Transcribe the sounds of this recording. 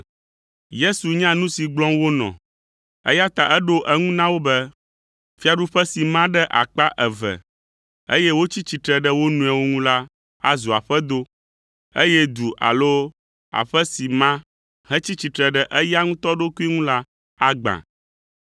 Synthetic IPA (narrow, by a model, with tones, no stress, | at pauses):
je˦su˨ɲã˦nũ˦si˨ɡ͡blɔ̃˦wo˦nɔ̰̃˨ | ɛ̰˦ja˦t̪a˨ʔɛ˦ɖo˦ʔɛ˦ŋũ˦nã˦wo˦bɛ˦ | fi˦a˨ɖu˦ɸɛ˦si˨mã˦ɖɛ˦ʔa̰˨k͡pa˦ʔɛ˨vɛ̰˨ | ḛ˦jɛ˦wo˦t͡ɕi˦t͡ɕi˨t̪ɾɛ˨ɖɛ˦wo˦nũ˨ã˨wo˦ŋũ˦la˦ | a̰˦zu˨a˨ɸɛ˦d̪o˦ | e˦jɛ˦d̪u˨ʔa̰˨lo˦ | a̰˨ɸɛ˦si˨mã˦ | ɦɛ̃˦t͡ɕi˦t͡ɕi˨t̪ɾɛ˨ɖɛ˦ʔɛ˦ja˦ŋũ˦t̪ɔ˦ɖo˦ku˦i˦ŋũ˦la˦ | a˦ɡ͡bã̰˨